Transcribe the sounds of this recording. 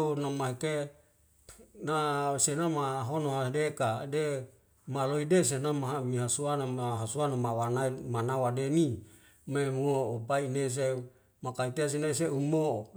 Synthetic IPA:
namaɦeke | nasenamaɦonoɦadekade | maloidesenamaɦamiɦasuanaaɦasuanamawanaimanawadeni | memuoopaines̬e | makait̪eas̬inais̬eumo

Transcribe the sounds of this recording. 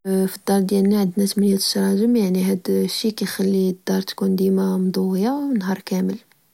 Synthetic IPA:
fid̪ːɑɾˤd̪jælnaʕəd̪næt̪mænjæt̪ə̥ʃɾˤɑʒəmjaʕniɦæd̪ʃːikæjxælːid̪ːɑɾˤt̪kund̪imæmd̪ˤuwəjawnɦɑɾˤkæməl

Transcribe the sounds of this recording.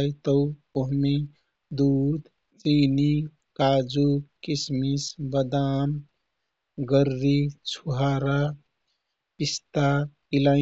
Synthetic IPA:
jt̪əw | oɦme | d̪uːd̪ | t͡ʃiːni | kaːd͡ʒukismisbəd̪aːm | ɡəɾːit͡ʃʰuɦaɾa | pist̪a | ila

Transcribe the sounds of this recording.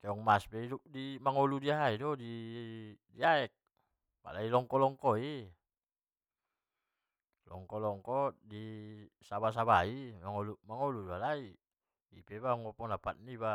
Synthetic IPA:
kɛɔŋmaspɛidup̚dimaŋɔludiaɦaidɔdi | diaɛk̚ | ba̰lailɔŋkɔlɔŋkɔi | lɔ̰ŋkɔlɔŋkɔdisabas̬aβaiaŋɔlumaŋɔludialai | ipɛbaɔŋɔpɔŋdapat̪̚niba

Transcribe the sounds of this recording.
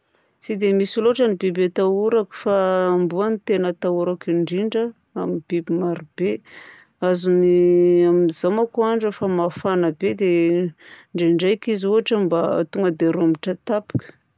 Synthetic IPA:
t͡sid̪emisiloaʈ͡ʂənibibet̪auɾaku̥faːmbuanit̪enət̪auɾakiɳɖ͡ʐiɳɖ͡ʐə | amib̥ibimaɾub̥e | azuniamizamakuaɳɖ͡ʐəfamafanəbed̪e | ɳɖ͡ʐeɳɖ͡ʐajkizuɦaʈ͡ʂambat̪uŋɡəd̪eɾumiʈ͡ʂət̪api̥kə̥

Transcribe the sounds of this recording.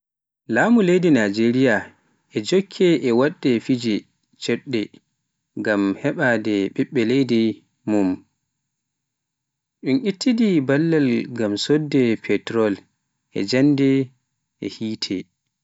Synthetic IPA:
laːmulejdinad͡ʒeɾija | ʔɛd͡ʒokʰːɛʔɛwaɗːɛfid͡ʒɛ | t͡ʃɛɗːɛ | ŋɡamhɛɓadɛɓɛɓːɛlejdɛ | mum | ɗunʔitːidibalːɛlɡamsodːɛpʰɛtɾɔl | ʔɛ̰d͡ʒandɛ | ʔɛ̰hiːtʰɛ

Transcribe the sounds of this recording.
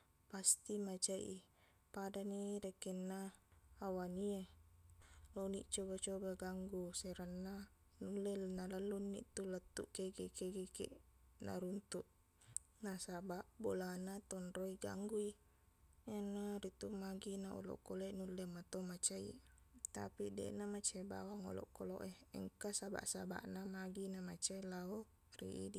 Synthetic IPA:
past̪imat͡ʃajʔi | padaniɾekenːaː | wanie | lonḭʔt͡ʃobat͡ʃobaɡaŋɡuseɾanːa | nulːenalalːunːḭʔt̪ulət̪ːuʔkeɡekeɡekḛʔna̰ɾunt̪uʔ | nasabaʔbolanat̪onɾoiɡa̰ŋɡui | enːaɾit̪umaɡinao̰lo̰ʔkoleʔnulːemat̪omat͡ʃajḛt̪a̰pidḛʔnamat͡ʃeba̰waŋo̰lɔ̰ʔkolo̰ʔeə̰ŋkasaba̰ʔsa̰ba̰ʔnamaɡinamat͡ʃelao | rḭʔḭdi

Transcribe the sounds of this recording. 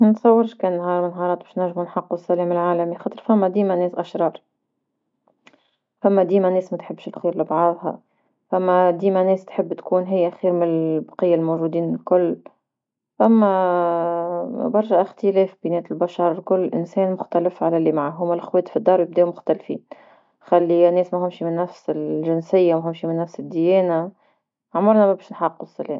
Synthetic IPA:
nt̪sˤɑwːɪɾʃkɛːnnɦɑːɾˤmɪnɦɑːɾˤɑːt̪̚bɛːʃnæɾʒːmunħɑqːusːælɛːmɪlʕaːlæmixɑːt̪ˤəɾˤfæmːæd̪iːmænɛːsʔæʃɾˤɑːɾˤ | fæmːæd̪iːmænɛːsmæt̪ħɪbːʃɪlxiːɾlɪbʕɑðˤhɑ̰ | fæmːæd̪iːmænɛːst̪ħɪbːt̪kuːnɦɪjːæxiːɾmɪnbɑqɪjːalmowʒuːd̪iːnɪlkʊlː | ʔæmːæ | bɑɾˤʃæʔɪxt̪əlɛːfbinɛːt̪ɪlbɑʃɑɾˤlkʊlːʔɪ̰nsɛːnmʊxt̪ælɪfʕalælimaʕaɦʊmːælʔxwɛːd̪fid̪ˤːɑːɾˤwjɪb̚d̪ɛːʔmʊxt̪ælfḭːn | xalːinɛːsmæɦʊmʃimɪnːæfsɪlʒɪnsɪjːamɦʊmʃimɪnːæfsɪd̪ːɪjɛːna | ʕmʊɾˤnæmæbɛːʃnħɑqːʊsˤɑleː

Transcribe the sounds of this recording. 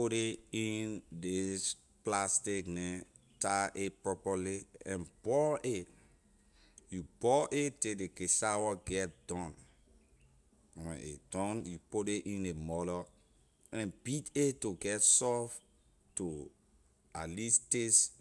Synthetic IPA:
poɾeĩndes | plastiknɛ̃ | taʔepɹɔpɔliɛ̰̃nbɔe | jubɔʔetedekesawɔɡɛt̚d̥ɔ̃n | wɛ̰̃nʔḛd̥ɔ̃njupodeʔĩnemɔlɔ | ɛ̃nbitetoɡɛtsɔf | to | alistes

